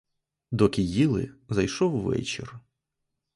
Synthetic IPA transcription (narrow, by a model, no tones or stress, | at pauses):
d̪ɔkʲɪjilˠɪ̰zɐjʃɔwːɛ̰t͡ʃɪ̰r